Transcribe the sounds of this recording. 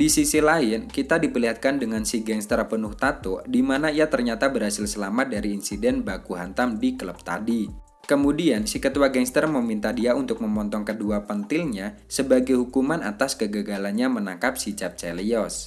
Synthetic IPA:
disisilaɪnkit̪adipərliɦat̪̚kandəŋansiɡɛŋst̪ərpənʊht̪at̪odimanaiat̪ərɲat̪abəɾhasɪlsəlamat̪̚daɾiːnsidɛnbakuɦant̪amdikələp̚t̪a̰di | kəmudiansikət̪uwaɡɛŋst̪ərməmint̪adiaunt̪ʊk̚məmɔnt̪ɔŋkəduapənt̪ɪlɲa | səbaɡajɦukumana̰t̪askəɡəɡalanɲamənaŋkap̚sit͡ʃap̚t͡ʃɛliɔs

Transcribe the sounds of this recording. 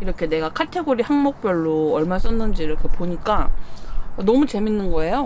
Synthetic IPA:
iɾʌkʰe̞ne̞ɡakʰatʰe̞ɡoɾihaŋmok̚p͈jʌɭːoʌɭmas͈ʌnːɯnd͡ʑiɾʌkʰe̞poɲik͈a | nʌmut͡ɕe̞minːɯnɡʌe̞jo

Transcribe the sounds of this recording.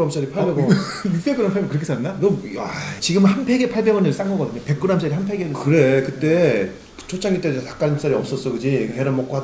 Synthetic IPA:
ɾamɕ͈aɾipʰabeɡo | ipekɯɾampʰaɡkɯɾʌkʰes͈anːaɡojat͡ɕiɡɯmɯnhanpʰe̞ɡepʰaɭbe̞ɡʌnɯɭs͈aŋɡʌɡʌdɯɲope̞k͈ɯɾams͈ʰaɾiɦanpʰeɡenɯkɯɾekɯt͈e̞ | t͡ɕʰot͡ɕʰaŋɡit͈eetak͈aɯns͈aɾiʌp̚s͈ʌs͈ʌɡɯd͡ʑiɦeɾanmok͈oad

